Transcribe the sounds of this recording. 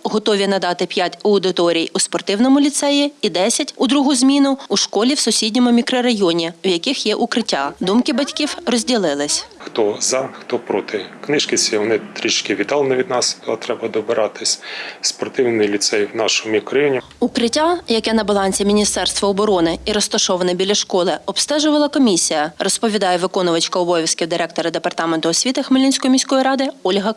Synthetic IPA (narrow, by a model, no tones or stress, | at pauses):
ɦɔt̪ɔʋʲinɐd̪ɑt̪ɪpʲjatʲɐwd̪ɪt̪ɔɾʲijuspɔrt̪ɪwnɔmʊlʲit̪sɛjiːd̪ɛsʲɐtʲʊd̪ɾuɦʊzʲmʲinʊuʃkɔlʲiwsʊsʲidʲnʲɔmʊmʲikɾɔɾɐjɔnʲiʊjɐkɪxjɛʔʊkɾɪtʲːad̪umkɪbɐtʲkʲiwrɔzʲdʲilˠɪlˠɪsʲxt̪ɔzɐxt̪ɔpɾɔt̪ɪknɪʃkɪt͡sʲʋɔnɪt̪ɾʲit͡ʃt͡ʃkʲɪʋʲid̪ɑlˠnɐʋʲid̪nɑst̪ɐt̪ɾɛbɐd̪ɔbɪɾɑt̪ɪsʲspɔrt̪ɪwnɪlʲit̪sɛjwnɑʃɔmikɾɐjɔnʲi | ukɾɪtʲːajɐkɛnɐbɐlˠɑnʲsʲimʲinʲist̪ɛrst̪ʋɐɔbɔɾɔnɪiɾɔst̪ɐʃɔʋɐnɛbʲilʲːɐʃkɔlˠɪɔbst̪ɛʒʊʋɐlˠɐkɔmʲisʲijɐrɔspɔʋʲid̪ɑjɛʋɪkɔnʊʋɐt͡ʃkɐɔbɔʋʲiskʲɪwd̪ɪɾɛk̚t̪ɔɾɐd̪epɐrt̪ɑment̪ʊɔsʲʋʲit̪ɐxmɪlʲinʲsʲkɔjmʲisʲkɔjiɾɑd̪ɪɔlʲɦɐ